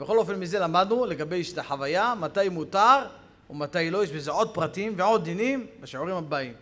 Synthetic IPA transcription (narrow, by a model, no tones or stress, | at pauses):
bexo̞lo̞fe̞nmize̞lamad̪nule̞ɡabe̞jʃt̪aħavajamat̪ajmutaʁ | omat̪ajlo̞jeʃbezeʕo̞t̪̚pʁat̪iimveʕo̞t̪̚d̪inimbeʃiʕuʁimabaim